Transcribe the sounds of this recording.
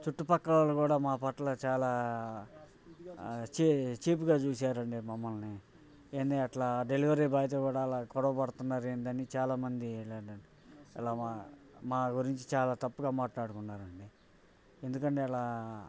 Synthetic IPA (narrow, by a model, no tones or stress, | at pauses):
t͡ʃuʈːupɐkːɐɭaːlukuːɽaːmaːpɐʈlɐt͡ʃaːlaː | t͡ʃit͡ʃiːp̬uɡaːt͡ʃuːsaːɾɐɳɖimɐmːɐlni | eːnd̪iɐʈlaːɖe̞liʋɐɾiːbaːjɐt̪̬ɐkuːɽaːlaːkɔɽɐʋɐpɐɽut̪unːaːɾeːnd̪ɐnit͡ʃaːlaːmɐnd̪ileːɳɖɐɳɖi | ḭlaːamaːɡuɾiɲt͡ʃi̥t͡ʃaːlaːt̪ɐpːuɡaːmaːʈlaːɽukunːaːɾɐɳɖi | end̪ukɐɳʈe̞ːilaː